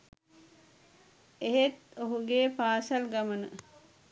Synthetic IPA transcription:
eɦet̪oɦuɡeːpaːsɐlɡamənə

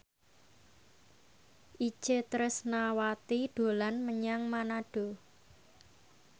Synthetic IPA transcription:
ʔi̥t͡ʃet̪ɾəsnawat̪iɖ̪̥o̤lanməɲaŋmanaɖ̥o̤

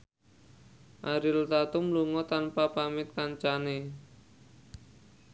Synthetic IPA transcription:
ʔaɾɪlt̪at̪umluŋɔt̪anpapamɪt̪̚kant͡ʃane

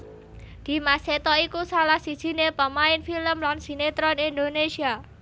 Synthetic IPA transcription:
d̪̥i̤maset̪ɔikusalahsid̥ʒ̥i̤nepəmaɪnfiləmlansi̤net̪ɾɔnind̪onesia

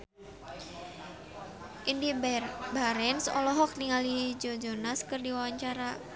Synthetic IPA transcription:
ʔindibaɾɛnsɔ̰lɔɦɔk̚niŋalid͡ʒod͡ʒonaskɨrdiwawaɲt͡ʃaɾa

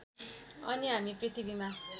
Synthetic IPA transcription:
ɔ̰nĩɦamĩpɾit̪ibimã

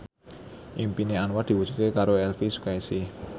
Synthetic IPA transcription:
ʔimpineanwad̪̥i̤wud̥ʒ̥u̥t̪̚kekaɾoɛlfisu̥kaisɪh

